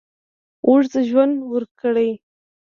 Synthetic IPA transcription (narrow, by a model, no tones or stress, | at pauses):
ʔuʐzəʒwand̪wəɾkəɽəj